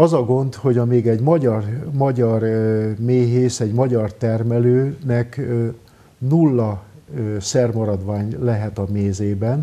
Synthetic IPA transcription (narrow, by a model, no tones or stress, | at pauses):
ɒzɒɡo̞nd̪ho̞ɟɒmeːɡɛɟmɒɟɒrmɒɟɒrmeːɦeːsɛɟmɒɟɒrt̪ɛrmɛløːnɛk | nulːɒ | sɛrmɒɾɒd̪ʋaːɲlɛɦɛt̪ɒmeːzeːbɛn